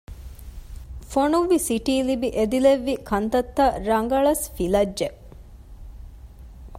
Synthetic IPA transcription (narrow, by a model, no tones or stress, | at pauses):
fonuʋːisiʈiːlibiʔed̪ileʋːikʰɐnt̪ɐt̪ːɐɾɐŋɡɐɭɐsfilɐd͡ʒʒe